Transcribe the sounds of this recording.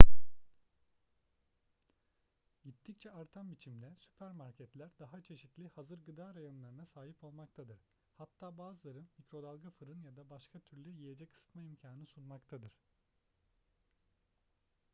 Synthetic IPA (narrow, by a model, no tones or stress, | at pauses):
ɟit̪ʰːict͡ʃʰɛaɾt̪ʰambit͡ʃʰimd̪ɛsy̥pʰæɾmaɾcʰɛt̪lʲæɾd̪aɦat͡ʃʰe̞ʃit̪lʲihazɯɾɡɯd̪aːɾajo̞nlˠaɾɯnasaːɦipʰo̞lˠmak̚t̪ʰad̪ɯɾ̥ | hat̪ːaːbaːzɯlˠaɾɯnmicɾo̞d̪alˠɡafɯɾɯnjad̪abaʃkʰat̪ʰyɾlʲyjije̞d͡ʒɛkʰɯ̥sɯ̥t̪maimcʰaːnɯnɯsunmakt̪ʰad̪ɯɾ̥